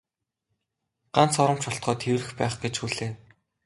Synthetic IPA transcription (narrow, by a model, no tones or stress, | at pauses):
ɢ̥an̥t͡sɔɾə̆m̥t͡ɕɔɬt̪̚ɢɔːt̪ʰewrɘ̆xpæːχɡet͡ɕxuːɮeː